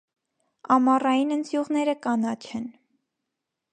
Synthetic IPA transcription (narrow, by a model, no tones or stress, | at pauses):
ɑmɑrɑjinənt͡s̪juʁnɛɾəkɑnɑt͡ʃʰɛn